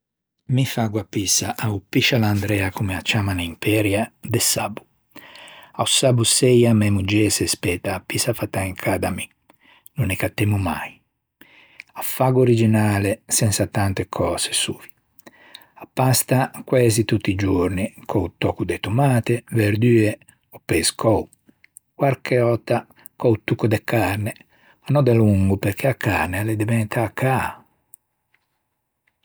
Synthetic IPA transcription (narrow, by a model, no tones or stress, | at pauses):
mifaɡwapːisaʔaupiʃaland̪ɾɛakumeat͡ʃamanaimpɛːɾjad̪esabu̥ | ausabusɛjamɛmud͡ʒɛːsespɛt̪apːisafat̪aiŋkʰad̪ami | nunekat̪ːɛmuma̰j | afaɡoɾid͡ʒinaːlesɛnsat̪ant̪ekʰɔːse̥suːvi̥ | apːast̪akwɛːzit̪ut̪ːid͡ʒuɾnikʰɔut̪ɔːkud̪et̪umaːt̪eveɾd̪yːe | ɔpːeskʰɔu | kwaɾkʰeɔt̪a | kɔwt̪ːukud̪ekaɾne | anɔd̪eluŋɡupeɾk̟eakʰːa̰ɾneled̪ivɛnt̪ʰaːkʰːa